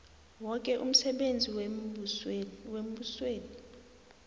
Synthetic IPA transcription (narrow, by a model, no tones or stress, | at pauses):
wɔkʼɛʔṵm̩sɛɓend͡zʱiw | wem̩ɓusweːni